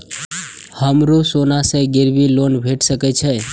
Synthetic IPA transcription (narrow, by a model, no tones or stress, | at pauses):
həmɾusonaseɡɪɾbilonbʱeʈʰsəkɛt͡ʃʰe